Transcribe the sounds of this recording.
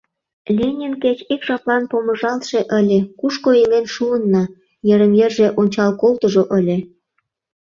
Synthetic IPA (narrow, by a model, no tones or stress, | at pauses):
lʲenʲenket͡ɕikʒɑplɑnpomə̆ʒɑlt̪ʃeʔəlʲekuʃkoelenʃuənːɑ | jə̆ɾə̆mjerʒeʔonʲt͡ɕɑlkolt̪əʒoʔəlʲe